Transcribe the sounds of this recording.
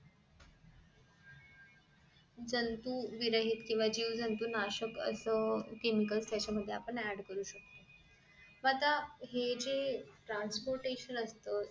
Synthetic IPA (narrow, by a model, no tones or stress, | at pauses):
d͡zənt̪uːʋiɾəɦit̪kĩw̃ʋad͡ʑiːʋd͡zənt̪unaɕəkə̰səkemikəlst̪jat͡ɕaməd̪ʱːjeapəɳæɖkəɾuːɕək̚t̪ə | mət̪aɦed͡zeʈɾanspoɾʈeɕənəst̪ə